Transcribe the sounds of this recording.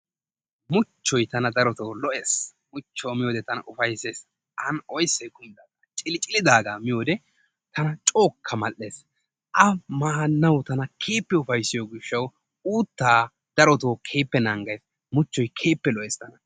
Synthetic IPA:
mʊt͡ʃːɔjt̪ɐnɐd̪ɐɾɔt̪oːlɔʔeːs | mʊt͡ʃːoːmɪjo̞ːd̪ɛt̪ɐnɐ̰ʔʊfɐjseːs | ʔɐnɔjsːɛjkʊmɪd̪aːɡɐt͡ʃʼɪlt͡ʃʼɪlɪd̪aːɡamɪjoːd̪ɛ | t̪ɐnɐt͡ʃʼo̞ːkʰːɐmɐlʔːe̞ːs | ʔɐmaːnːɐwt̪ɐnɐkʰe̞ːpːɛʊfɐjsɪjoːɡɪʃːɐw | uːt̪ːaː | d̪̥ɐɾɔt̪o̞ːkʰe̞ːpːɛnɐŋɡɐjs | mʊt͡ʃːɔjkʰe̞ːpːɛlɔʔɛːst̪ɐnɐ

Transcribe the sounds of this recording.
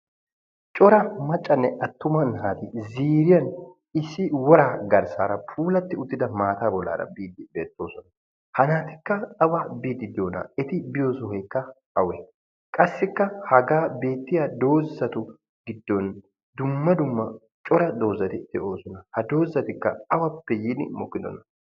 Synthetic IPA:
t͡ʃʼɔɾɐmɐt͡ʃʼːɐnːɛʔɐt̪ːʊmɐnɦaːt̪ɪziːɾɪjɐn | ɪsːɪwɔɾaːɡɐɾsa̰ːɾɐpʰuːlɐt̪ːɪʊt̪ːɪd̪ɐmaːt̪aːbɔlːa̰ːɾɐ̰biːd̪ːɪbeːt̪ʼːo̞ːsɔnɐ | hɐnaːt̪ɪ̥kːɐɐbabiːd̪ːɪd̪ɪjoːnɐ̰ɛt̪ɪbɪjo̞ːsɔhekːɐ | ɐwɛ | kʼɐsːɪkːɐhɐɡaːbe̞ːt̪ːɪjad̪o̞ːzːɐt̪ʊ | ɡɪd̪ːɔn | d̪ʊmːɐd̪ʊmːɐ | t͡ʃʼɔɾɐd̪o̞ːzːɐt̪ɪd̪̥ɛʔo̞ːsɔnɐhɐd̪o̞ːzːɐt̪ɪkːɐɐwɐpːɛjɪnɪmɔkːɪd̪ɔ̰nɐ

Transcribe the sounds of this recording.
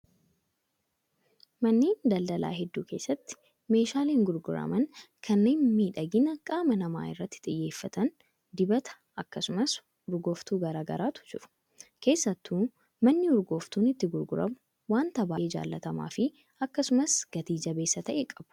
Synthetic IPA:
mɐnːeːnd̪ɐld̪ɐla̰ːɦɛd̪ːuːke̞ːsːɐt̪ːɪ̥ | me̞ːʃaːleːŋɡʊɾɡʊɾɐ̰mɐn | kʰɐnːe̞ːnmiːᶑɐɡɪnɐkʼaːmɐnɐma̰ːɪrːɐt̪ːɪ̥t̪ʼɪjːe̞ːfːɐt̪ɐn | d̪ɪbɐt̪ɐ̥ | ɐkːɐsʊmɐs | ʊɾɡoːft̪uːɡɐɾaːɡɐ̰ɾaːt̪ʊ̥d͡ʒɪɾʊ̥ | ke̞ːsːɐt̪ːuː | mɐnːɪʊɾɡoːft̪uːnɪt̪ːɪɡʊɾɡʊɾɐ̰mʊ | waːnt̪ɐbaːɪd͡ʒa̰ːlːɐt̪ɐma̰ːfɪ | ɐkːɐsʊmɐsɡ̥ɐt̪iːd͡ʒɐbe̞ːsːɐt̪ɐʔekʼɐb̥ʊ̥

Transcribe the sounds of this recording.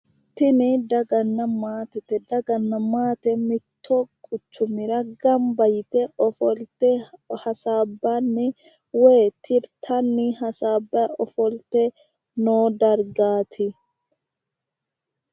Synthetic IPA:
t̪ɪnɪd̪ɐɡɐnːɐmaːt̪ɛt̪ɛd̪ɐɡɐnːɐmaːt̪ɛmɪt̪ʰːoːkʼʊt͡ʃːʊmɪɾɐɡɐmbɐjt̪ɛʔɔfɔlt̪ɛhɐsaːbːanːɪ | weːt̪ʰɪɾt̪ʰɐnːɪɐsaːbːɐɔfɔlt̪ɛ | noːd̪ɐɾɡaːt̪ʰɪ

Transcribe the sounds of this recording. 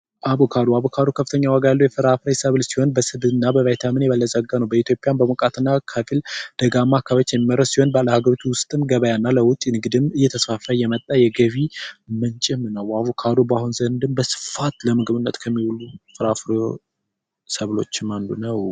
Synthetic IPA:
ʔaβokʰad̪uaβokʰad̪okʰəfɨt̪ʰəɲːawaɡajalːowjɛfɨɾafɾesəβlsiho̞nbəsɨbɨnːabəvajt̪ʰamɨnjɛβəlːəzʼəɡːanəwbəit̪ʰjo̞pʼjanbəmokʼat̪ɨnːakʰafild̪̥əɡamːakʰːaβət͡ʃːjɛmːiməɾəsiho̞nbəaləhaɡəɾot̪ʰuwʊst̪ʼɨmɡəβəjanːaləwʊt̪ʼːnɨɡɨd̪ɨmɨjːɛt̪ʰəsfafəjɛmət̪ʼːajɛɡəβimɨnt͡ʃʼɪmnəwaβokʰad̪ubahunzənd̪ɨmbəsɨ̥fat̪ləmɨɡbɨnːət̪kʰəmːiwulufɨɾafɾe | səβlo̞̰t͡ʃːɪmand̪unəw

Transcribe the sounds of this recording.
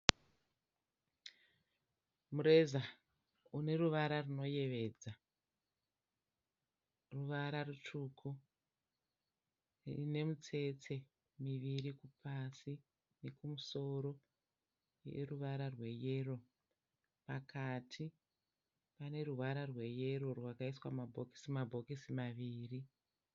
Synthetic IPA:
muɾe̞za | une̞ɾuʋaɾaruno̞je̞ʋe̞ːd͡za | ruʋaɾarutukʰu | rine̞mut͡se̞t͡se̞ | miʋiɾikupʰasi | ne̞kumuso̞ɾo̞ | je̞̰ruʋaɾarwe̞je̞ːro̞ | pakʰatʰi | pane̞ruʋaɾarwe̞je̞ɾo̞rwakaiswamabʱo̞ki̥simabʱo̞kisimaʋiːri

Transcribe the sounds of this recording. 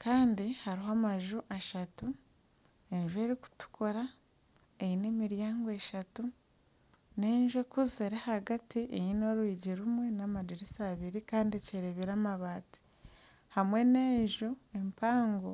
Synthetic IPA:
kaːndihaɾiɦoamaʒuʔaʃatu | e̞ɲʒue̞ːɾiku̥tu̥kʰoɾa | ejine̞miɾjaːŋɡoe̞ʃatu | neːɲʒuekuzeɾehaɡatiʔejino̞ɾwiːɟiɾumwe̞namadiɾisaβiɾikaːndieceɾeβiɾaːmaβaːti̥ | hamwe̞ne̞ːɲʒuempaːŋɡo̰

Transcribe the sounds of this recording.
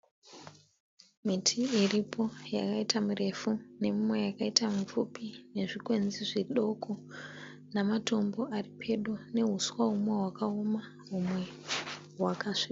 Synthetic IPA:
mitʰiːripʰo̞ja̰kaitamure̞fune̞mumwe̞jakaitamup͡fupine̞ʐikwe̞nziʐiɗo̞kʰo | namatʰo̞mbo̞ʔaripʰe̞ɗune̞ɦuswaɦumweɦwakaoma | ɦumwe̞ | ɦwakaʂika

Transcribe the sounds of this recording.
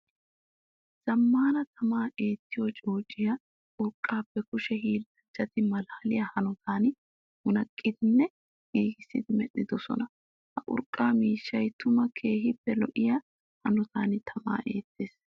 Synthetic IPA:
z̥ɐmːaːnɐt̪ʰɐmaːe̞ːt̪ːɪjot͡ʃʼo̞ːt͡ʃʼːɪja | ʊɾkʼːaːpːɛkʊʃɛhiːlːɐd͡ʒːɐt̪ɪmɐlaːlɪjahɐnɔt̪ʰaːn | mʊnɐkʼːɪd̪ɪnːɛ | ʔiːɡɪsːɪ̰d̪ɪmɛɗɪd̪ɔsɔ̰nɐ | hɐʔʊ̰ɾkʼːaːmiːʃːɐjt̪ʊmɐkʰe̞ːɦɪpːɛlɔʔɪja | hɐnɔt̪aːnɪt̪ʰɐma̰ːʔe̞ːt̪ːeːs

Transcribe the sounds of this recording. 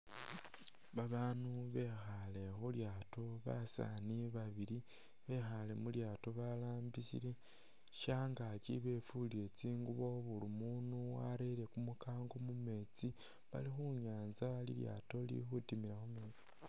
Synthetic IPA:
βaβaːnuβe̞xale̞xuljaːto̞βa̰sa̰niβaβiɾi | βe̞xale̞muljaːto̞βalaːmbisḭɾe̞ | ʃaŋɡacḭβe̞fuliɾe̞t͡siːŋɡuβo̞βulumunuwa̰ɾele̞kumukaːŋɡo̞mume̞t͡si | βa̰lixuɲaːnzalḭlja̰ːto̞lḭxutimiɾaxume̞ːt͡si̥

